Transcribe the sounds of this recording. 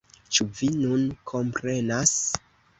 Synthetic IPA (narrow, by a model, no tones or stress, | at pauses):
t͡ʃuvinunkʰo̞mpɾe̞nas